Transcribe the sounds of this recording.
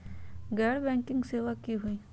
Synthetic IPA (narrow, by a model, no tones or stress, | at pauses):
ɡɛːɽbɛ̃ːŋkɪ̃ŋɡseːʋakːiɦui